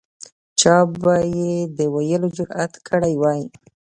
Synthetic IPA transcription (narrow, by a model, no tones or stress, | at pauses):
t͡ʃɑbajed̪əwajəlod͡ʒʊɾat̪kʰəɽajwɑji